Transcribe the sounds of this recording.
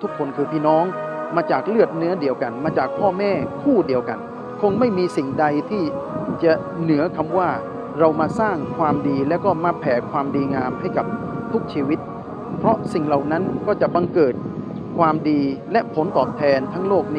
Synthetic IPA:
t̪ʰukʰːonkʰɯːp̪ʰiːnɔːŋmaːt͡ɕaːk̚lɯət̪̚nɯɐdiəwkanmaːt͡ɕaːk̚pʰɔːmɛːkʰuːdiəwkan | kʰoŋmajmiːsiŋdajt̪ʰiːt͡ɕa | nɯɐkʰamwaː | ɾawmaːsaːŋkʰwaːmdiːlɛwkɔːmaːpʰɛːkʰwaːmdiːŋaːmɦajkap̚ | t̪ʰuk̚t͡ɕʰiːwit̪̚ | pʰɾɔsiŋlawnankɔːt͡ɕabaŋkɤːt̪̚ | kʰwaːmdiːlɛʔpʰont̪ɔːp̚t̪ʰɛːnt̪ʰaŋloːk̚nː

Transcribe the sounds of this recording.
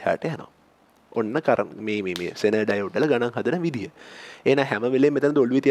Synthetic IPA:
ha̰ːʈəjano̰ | onːəkaɾə̰meːmemḛːsenəɖajoɖelɐɡanaŋɦɐd̪ənəʋid̪ʱijəeːnaːɦæməʋeleːmːet̪ənd̪oluʋit̪i

